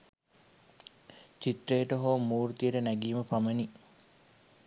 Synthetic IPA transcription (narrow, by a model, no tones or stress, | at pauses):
t͡ʃit̪ɾejʈəɦoːmuːɾut̪iəʈənæɡiːməpaməni